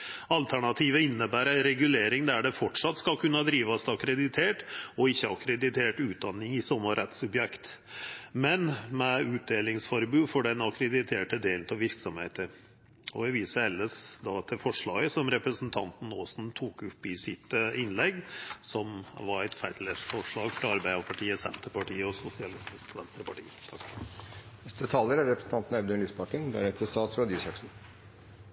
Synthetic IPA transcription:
ɑlt̪ʰæɳɑt̪ʰiːʋəɪnːəbæːɾæɪɾɛɡʉleːɾɪŋd̪æɖɛfɔʈʂɑt̪ːskɑlkʰʉnːəd̪ɾiːʋɑst̪ɑkɾɛd̪ɪt̪ʰeːʈɔɪçːəɑkɾɛd̪ɪt̪ʰeːʈʉːt̪̚d̪ɑnːɪŋɪsɔmːəɾɛt̪sʉbjɛkt̪ | mɛnmɛʉːt̪̚d̪eːlɪŋsfɔɾbʉːfɔɖɛnɑkɾɛd̪ɪt̪ʰeːʈəd̪eːlt̪ʰɔʋɪɾksɔmhḛːt̪əɾ | ɔ̰ʋɛʋiːsəɛlːəsd̪ɑt̪ʰɪlfɔʂɭɑːɡəsɔmɾɛpɾəsn̩t̪ʰɑ̰nt̪n̩oːsn̩t̪ʰuːkʉpːɪsɪt̪ɪnlɛɡsɔmʋɑɾæɪt̪fæɪt̪lesfɔʂɭɑːɡfɔɾɑɾbæɪəpʰɑʈʰiːəsɛ̰nt̪əɾpɑʈiːəɔsʊsɪɑlɪst̪ɪskʋɛnst̪əɾpɑʈḭːt̪ʰɑ | nɛst̪ət̪ʰɑːləɾæɾɾɛpɾəsn̩t̪ɑnt̪n̩ɛbd̪ʉnliːsbɑkənb̪æ̰nɛt̪ʰəst̪ɑːt̪sʋɑd̪iːsɑksn̩

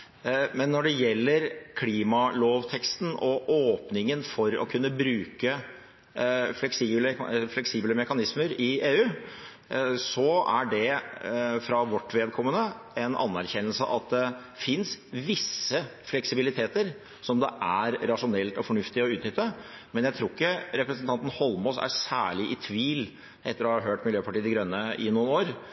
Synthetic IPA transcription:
mɛnːɔɖɛjɛlːəɾkʰliːmɑloːʋt̪ʰɛkst̪nɔʔoːpnɪŋənfɔɾɔ̰kʰʉnːəbɾʉːkə | flɛksiːbləflɛksiːbləmɛkɑnɪsməɾɪeːʉː | sɔæ̰ɖɛ | fɾɑʋɔʈːʋeːd̪̚kʰɔmːənə | ɛnʔɑ̰nːæɾçɛnːəlsə̰ʔɑt̪̚d̪ɛ | fɪnsʋɪsːəflɛksɪbɪlɪt̪ʰeːt̪əɾ | sɔmd̪ɛ̰ʔæɾɾɑʂʊnɛlt̪ɔfɔɳʉft̪ɪɔʉːt̪nʏt̪ːə | mɛnjæɪt̪ʰɾuːɪkːəɾɛpɾəsənt̪ʰɑnt̪n̩hɔlmɔsæ̰ɾsæ̰ːɭɪʔɪt̪ʰʋiːl | ʔɛt̪ːəɾɔːhɑɾɦøːʈmɪljøːpɑʈiːd̪ɪɡɾœnːəɪnuːnoːɾ

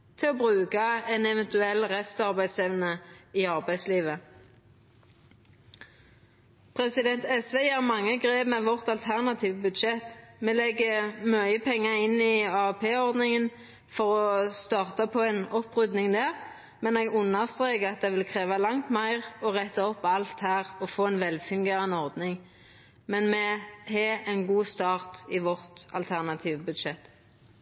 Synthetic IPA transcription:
t̪ʰɪlɔbʁʉːkɑɛnɛʋɛnt̪ʉɛlːʁɛst̪ɑʁbæɪd̪sɛʋnəiɑʁbæɪd̪sliːʋə | pʰʁɛsɪd̪ɛnt̪ɛsʋeːjæːʁmɑŋːəɡʁeːbmɛʋɔʁt̪ɑlt̪ʰæʁnɑt̪ʰiːʋəbʉd̪ʃɛt̪meːlɛɡːəmœʏəpʰɛŋːəɪnːɪɑːɛpʰeːɔʁd̪nɪŋən | fɔʁɔst̪ɑːʁt̪ɑpʰɔɛnɔpːʁʉd̪nɪŋd̪æːʁ | mɛnɛːɡʉnːəʁst̪ʁeːkəʁɑt̪̚d̪ɛʋɪlkʰʁeːʋɑlɑŋt̪mæɪʁɔʁɛt̪ːəɔpːɑlt̪hæːʁɔfoːɛnʋɛlfʉŋɡeːʁɑnːəɔʁd̪nɪŋ | mɛnmɛhɛɛnɡuːst̪ɑːʁt̪ɪʋɔʁt̪ɑ̰lt̪ʰæʁnɑt̪ʰiːʋəbʉd̪ʃɛt̪ː

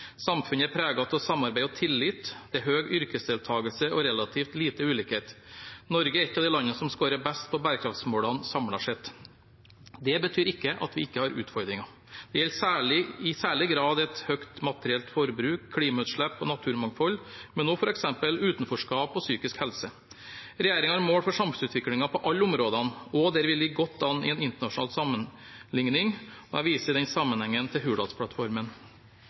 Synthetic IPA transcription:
sɑmfʉnəæɾpʰɾeːɡɑt̪ʰɔlsɑmːɑɾbæɪɔt̪ʰɪlːɪt̪d̪̥ɛæɾɦøːɡʏɾkəsd̪ɪːlt̪ʰɑːɡəlsəʔɔɾɛlɑt̪ʰiːft̪liːt̪əʉːlɪːkheːt̪nɔɾɡəæɾɪt̪ːɑʋd̪ɛɪlɑnːəsɔmskoːɾəbæst̪pʰɔbæːɾəkʰɾɑft̪smoːlɑnsɑmɽɑʂɛt̪ | d̪ɛbət̪ʰyːɾɪkːəʔɑ̰t̪ʋɪɪkːəhɑɾʉ̰ːt̪fɔɾd̪ɾɪŋɑ | d̪̥ɛjɛlsæːɭɪɪsæːɭɪɡɾɑːd̪ɛt̪hœkt̪mɑt̪əɾɪɛlt̪fɔɾbɾʉːkʰːɽiːmɑʉt̪ʂɭɛpːɔ̰nɑt̪ʰʉːɾmɑŋfɔlmɛnːoːfɔɾɛksɛmpəlʉːt̪n̩fɔʂkɑːpɔsyːkɪskhɛlsə | ɾɛjeːɾɪŋɑæɾmoːɽfɔʂɑmsʉːt̪ʰʋɪklɪŋɑpʰɔʔɑlːəʊmɾoːd̪ɑnɔd̪ɛɾʋɪliːɡɔt̪ːɑnːɪ̰ɛnɪnt̪əɳɑʂʊnɑ̰ːlsɑmːən | lɪŋnɪŋɔæʋiːsəd̪ɛnsɑmːənhɛŋːənt̪ʰɪlɦʉːɖ̪ɑ̰t̪spʰɽɑt̪fɔɾmən

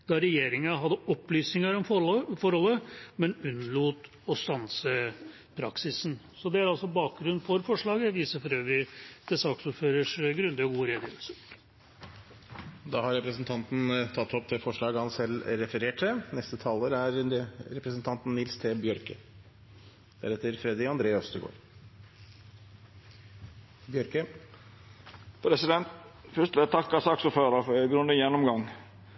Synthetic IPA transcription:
d̪̥ɑɾɛjeːɾɪŋənɦɑd̪ːəɔpːlyːsnɪŋəɾɔmfɔɾhɔlːəmɛnʉnːəluːt̪ | ɔst̪ɑnsə | pʰɾɑ̰ksɪsn | sɔd̪ɛæɾɑlsɔbɑːk̚ɡɾʉnfɔɾfɔʂɭɑːɡəʋiːsəɾfɔɾøːʋɾɪd̪̥ɛsɑːksuːɾføːɾəʂɡɾʉnd̪ɪɔɡuːəɾeːd̪jø̰ʋlsəɾ | d̪ɑːhɑɾɛpɾəsnt̪ʰɑnt̪n̩t̪ʰɑt̪ːhɔp̚t̪ʰɪlfɔʂɭɑːɡhɑnsɛlːɾɛfəɾeːʈʰːənɛst̪ət̪ʰɑːləɾæɾɾɛpɾəsnt̪ʰɑnt̪nnɪlst̪ʰeːbjœɾkə | d̪̥æ̰ɾhɛt̪əɾfɾɛd̪ɪɑnd̪ɾeːœst̪əɡo̰ːɾ | bjœɾkə | pʰɾɛsɪd̪ɛnt̪fʉʂt̪ɛt̪ʰɑkːɑsɑksuːɾføːɾəfɔɡɾʉnd̪əjɛnːɔmɡɑŋ

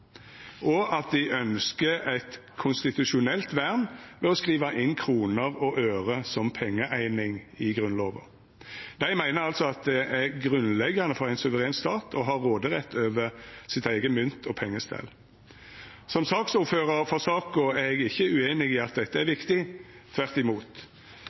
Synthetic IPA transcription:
ʔɔʔɑt̪̚d̪ɪɪʔœnskəæɪt̪kʰʊnst̪ɪt̪ʉʃʊnɛlt̪ʋæʁnʋɛɔskʁiːʋɑʔɪnkʰʁuːnəʁɔʔøːʁəsɔmpʰɛŋːəʔæɪnɪŋɪɡʁʉnloːʋə̰ | d̪̥æɪmæɪnəʁɑlt̪sɔɑt̪̚d̪ɛʔæʁɡʁʉnlɛɡːɑnəfɔʁæɪnsʉʋəʁeːnst̪ɑːt̪ʰɔɦɑːʁːoːd̪əʁɛt̪ʰːøːʋəʁsɪt̪æɪɡəmʏnt̪ʰɔpʰɛŋːəst̪ʰɛ̰l | sɔmsɑksuːføːʁəʁfɔsɑːkʊæɛɡɪçːəʉeːnɪɡiːɑt̪̚d̪ɛt̪ːəæʁʋɪkt̪ɪt̪ʰʋæʁt̪ɪmuːt̪

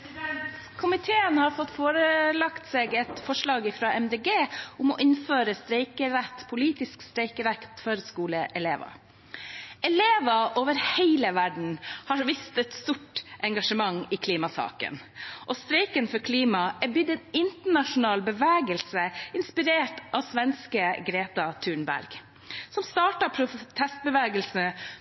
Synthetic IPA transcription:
kʰʊmɪt̪ʰeːənhɑɾfɔt̪ːfoːɾəlɑkt̪seːɡɛt̪fɔʂɭɑːɡɪfɾɑːʔɛmd̪eːɡeːʊmɔ̰ʔɪnføːɾəst̪ɾɛɪkəɾæt̪ːpʰʊliːt̪ɪskst̪ɾɛɪkəɾækt̪føːɾəskuːləʔɛleːʋɑ̰ | ɛleːʋɑʔoːʋəɾheɪləʋæɖɳ̩hɑɾʋɪst̪ɛt̪st̪uʈʔɛŋɡɑʂəmɑŋːiːkʰliːmɑsɑ̰ːkə̰n | ʔɔst̪ɾɛɪkənfɔɾkʰliːmɑʔæbʏd̪ɛnɪnt̪əɳɑʂʊnɑːlbəʋæːɡəlsəɪnspɪɾeːʈʔɑʋsʋɛnskəɡɾeːt̪ɑt̪ʰʉːɳbæ̰ɾɡ̥ | sɔmst̪ɑːʈɑpʰɾʊt̪ʰɛst̪̚bəʋæːɡəlsnə

